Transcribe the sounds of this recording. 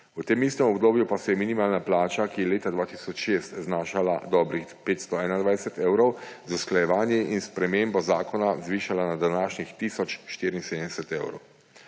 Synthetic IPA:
ut̪eːmiːst̪ɛmɔbd̪oːbjupasɛjɛminimaːlnaplaːt͡ʃakijɛleːt̪ad̪ʋaːt̪isɔt͡ʃʃest̪znaːʃala̰d̪ɔːbɾixpeːt̪st̪ɔɛːnand̪ʋaːjɛsɛt̪ɛwɾɔwzausklajɛʋaːnjɛʔinspɾɛmeːmbɔzaːkɔnazʋiːʃalanad̪anaːʃnixt̪iːsɔt͡ʃʃt̪iːɾinseːd̪ənd̪ɛsɛt̪eːwɾɔ̰w

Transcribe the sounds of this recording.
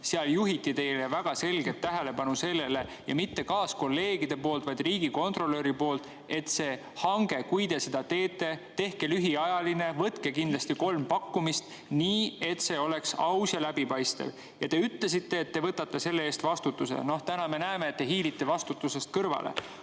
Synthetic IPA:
seɑljuɦit̪ːˑit̪e̞jlevæɡ̥ɑse̞lɡ̥e̞t̪ːæɦe̞le̞pɑnuse̞lːe̞le̞ | jɑ̰mit̪ːe̞kɑːsko̞lːe̞ːɡ̥id̪̥e̞po̞ːlt̪vɑjd̪̥riːɡiko̞nt̪ro̞lø̞ɾipo̞ːlt̪ˑ | e̞t̪ːse̞ː | hɑŋɡ̥e̞kujt̪e̞se̞d̪̥ɑt̪e̞ːt̪ˑːe̞t̪e̞hkelyɦiɑjɑline̞vɤt̪ke̞kind̪lɑst̪iko̞lmpɑkːumist̪ | niːe̞t̪se̞o̞le̞ksɑwsjɑlæbipɑjst̪ɑ̰v | jɑt̪e̞yt̪le̞sit̪ːe̞ːt̪ːe̞vɤt̪ːɑt̪ːe̞se̞lːe̞eːst̪vɑst̪ut̪ːˑuse̞̰no̞ht̪ænɑme̞næeme̞ːt̪ːe̞ɦiːlit̪ːˑe̞vɑst̪ut̪ːˑuse̞st̪̚kɤrvɑ̰lʔḛ

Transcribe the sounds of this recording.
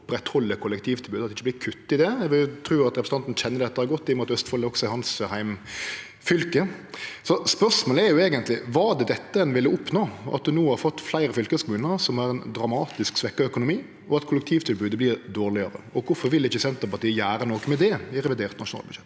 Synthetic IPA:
pɾɛt̪hɔlːəkʰʊlɛk̚t̪ʰiːʋt̪ʰɪlbʉːd̪ɑt̪ɪçːəb̪ɪːkʰʉt̪ːɪd̪ɛɛʋɪlt̪ʰɾʉːɑt̪ɾɛpɾəs̩ʰɑnt̪n̩çɛnːəd̪ɛt̪ːəhɑɾɡɔt̪ːɪmʊːt̪œst̪fɔlːəɔksɔɛhɑnshæɪm | fʏlkəsɔspœʂmoːləɛɾjʊeːɡənt̪lɪʋɑːd̪ɛd̪ɛt̪ːəɛnʋɪlːəʊpnoːʔɑ̰t̪̚d̪ʉnuːhɑɾfɔt̪ːflæɪɾəfʏlkəəskʰʊmʉːnəɾsɔmæɾɛnd̪ɾɑmɑːt̪ɪsksʋɛkːɑœkʊnʊmiː | ɔɑt̪kʰʊlːɛk̚t̪ʰiːʋt̪ʰɪlbʉːd̪əblɪɾd̪oːʁlɪɑɾə̰ɔkʰʊfɔɾʋɪlɪçːəsɛnt̪əɾpɑt̪iːəjæːɾənoːkɔmɛd̪ɛɪɾɛʋɪd̪eːɾt̪nɑʃʂʊnɑ̰ːlbʉd̪ʂɛt̪ː

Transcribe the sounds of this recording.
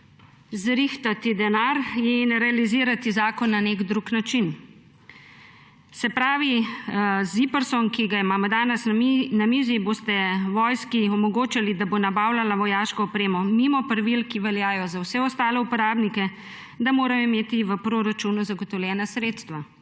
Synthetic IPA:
zɾixt̪at̪id̪ɛnaɾjɛinɾɛaliziːɾat̪izaːkɔnːanekd̪ɾuknat͡ʃin | sɛpɾaːʋi | zipəɾsɔnkiɡaimaːmɔd̪aːnɛsnamizibost̪ɛʋɔjskiɔmɔɡoːt͡ʃalid̪abonabaːwlalaʋɔjaːʃkɔːpɾeːmɔmimɔpɾaʋilkiʋɛljaːjɔzawsɛɔst̪aːlɛupɔɾaːbnikɛ | d̪amoːɾajɔimeːt̪iʋəpɾoɾat͡ʃunuzaɡɔt̪ɔwlʲjɛːnasɾeːt̪st̪ʋa

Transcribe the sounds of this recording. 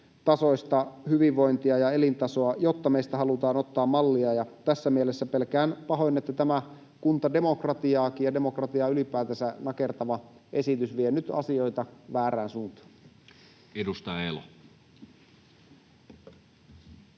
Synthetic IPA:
t̪ɑso̞ist̪ɑhyʋiʋʋo̞jnt̪iɑjɑe̞lint̪ɑsoɑjot̪ːɑmeist̪æɦɑlut̪ɑːnot̪ːɑːmːɑlːiɑjɑt̪æsːæmielesːæpelkæːnpɑɦo̞jnːet̪ːæt̪æmæ | kunt̪ɑde̞mo̞krɑt̪iɑːkiːjɑdemo̞krɑt̪iɑːylipæːt̪æsænɑke̞rt̪ɑʋɑʔe̞sit̪ysʋienyt̪ɑ̰sio̞jt̪ɑʋæːɾæːnsuːnt̪ɑ̥ː | edust̪ɑelo

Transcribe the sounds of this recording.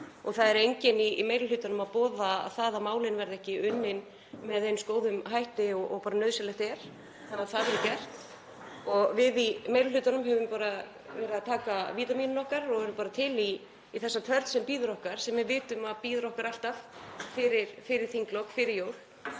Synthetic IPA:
ɔɣθaðɛɾejɲcɪnimejlʏlʏːt̪anʏmaðpɔːða̰θaːðamaːwlɪnvɛɾðɪɛhcɪʏnːɪn | mɛðenskoːwðʏmɦajht̪ɪɔʔɔɣpaːɾanœðsɛlɛht̪ɛɾ̥ | θanaθaðvɛɾʏcɛr̥t̪ | ɔɣvɪðimejlʏlʏːt̪anʏmhɛvʏmpaːɾa | vɛːɾɪðaðt̪ʰaːkaviːt̪amiːnʏnɔhkaɾɔɣɛɾʏmpaːɾat̪ʰɪliː | θɛsːat̪ʰœɾt̪sɛmpiːðɾɔhkaɾ̥sɛmːɪðvɪːt̪ʏmaðpiːðɾɔhkaɾal̥t̪affɪɾɪɾ̥fɪɾɪɾ̥θiŋklɔkfɪɾɪɾjoːwɾl

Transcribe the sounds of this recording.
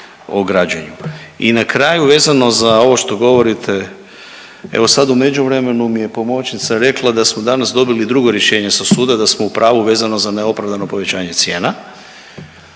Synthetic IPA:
oɡɾad͡ʑaɲuinakɾaːjuʋe̞ːzano̞zao̞ʋo̞ʃt̪o̞ɡo̞ʋo̞ɾit̪ʰe̞ | ḛʋo̞sad̪ume̞d͡ʒuʋɾe̞me̞numije̞po̞mo̞t͡ʃnit̪saɾe̞klˠad̪asmo̞d̪anasd̪o̞bilid̪ɾuɡo̞ɾje̞ʃe̞ːɲe̞sasuːd̪ad̪asmoupɾʔaːʋuʋe̞ːzano̞zaneo̞pɾaʋd̪ano̞po̞ʋe̞t͡ɕaːɲe̞t̪sje̞ːna

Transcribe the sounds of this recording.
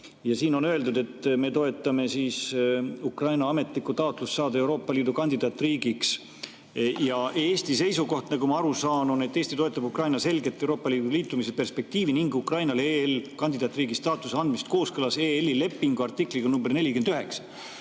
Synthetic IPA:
jɑsiːno̞nøe̞ld̪ud̪e̞t̪ːˑme̞t̪o̞e̞t̪ːˑɑme̞siːsukrɑjnɑɑme̞t̪likːˑut̪ɑot̪lusːɑːd̪ɑe̞wɾo̞ːpːˑɑliːd̪ukɑnʲd̪id̪ɑːt̪ːriːɡiks | jɑʔe̞ːsʲt̪ise̞jsuko̞ht̪nɑɡumɑɑɾusɑːnune̞t̪ːeːsʲt̪it̪oe̞t̪ːˑɑbukrɑjnɑse̞lʲɡe̞t̪ˑːeuɾo̞ːpːˑɑliːd̪uliːt̪ːˑumisepe̞rspe̞k̚t̪iːviniŋɡukrɑjnɑleelkɑnʲd̪id̪̥ɑːt̪riːɡ̥ist̪ɑːt̪ːˑuseɑnd̪̥mist̪ko̞ːskɤlɑse̞elːile̞pːiŋɡ̥uɑrt̪ikˑliɡ̥ɑnumberne̞lʲikyend̪yɦeksɑ̥

